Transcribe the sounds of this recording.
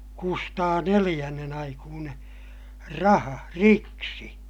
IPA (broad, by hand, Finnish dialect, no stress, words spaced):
kustɑː nelij̆ænːen ɑikuːneː rɑhɑ riksi